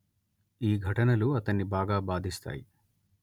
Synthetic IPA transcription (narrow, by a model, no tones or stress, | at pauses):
iːɡʱɐʈɐnɐluɐt̪ɐnːibaːɡaːbaːd̪ʱist̪a̰ːji